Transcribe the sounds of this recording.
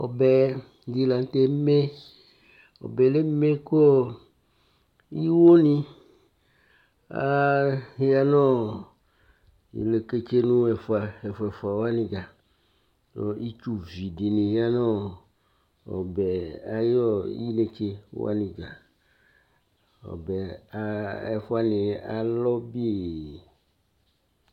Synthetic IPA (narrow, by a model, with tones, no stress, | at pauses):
ɔ˨bɛ˨ | d̪i˨˦la˨ŋ˦t̪e˦me˦ | ɔ̰˨bɛ˨le˦me˦ko˦ | i˦wo˦nĩ˦ | a̰˦ja˦nɔ̃˦ | ḭ˨le˨ke˦t͡ʃe˦nũ˦ɛ˨fa˨ɛ˨fɛ˨fa˨wa˦nĩ˨ɡa˨ | nɔ˦i˦t͡ʃu˦vi˨ɖi˨nĩ˨ji˦a˦nɔ̃˦ | ɔ̰˨bɛ˨a˨jɔ˦ji˦le˨t͡ʃe˦wo̰˦a̰˦nĩ˨ɡa˨ | ɔ̰˨bɛ˨a˦ɛ˨fɔ˦a˨nĩ˨a˨lɔ˦bi˦e˨